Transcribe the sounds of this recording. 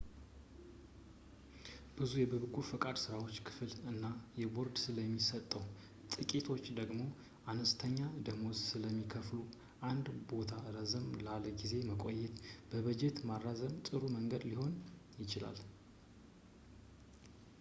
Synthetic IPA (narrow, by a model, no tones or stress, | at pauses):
b̥ɨzujɛbɨβɨɡufɨkʼad̪sɨɾawo̞t͡ʃːkʰɨ̥fɨlɨnːajɛbo̞ɾd̪sɨləmːisət̪ʼːəw | t̪ʼɨkʼit̪ʰo̞t͡ʃːd̪əɡmo̞ | ʔanəst̪ʰəɲːad̪əmozsɨləmːikʰəflu | ʔand̪bo̞t̪ʰaɾəzəmlaləɡize̞məkʼo̞jːɛt̪b̥əβəd͡ʒe̞t̪marːazəmt̪ʼɨɾuməŋɡəd̪liho̞njɪt͡ʃɪla̰l